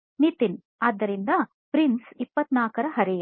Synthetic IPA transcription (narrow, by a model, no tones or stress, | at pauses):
nit̪in | aːd̪ːɐɾind̪ɐ | pɾinsipːɐt̪naːkɐɾɐɦɐɾij